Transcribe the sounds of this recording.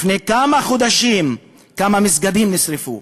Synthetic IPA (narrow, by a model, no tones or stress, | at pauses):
fnekamaχod̪aʃim | kamamisɡad̪imnisɾifṵ